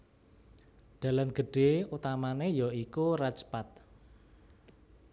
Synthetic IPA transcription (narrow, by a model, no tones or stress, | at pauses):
d̪̥ä̤lamɡ̥ə̤ɖ̥e̤ut̪amanejɔikurat͡ʃə̥pat̪̚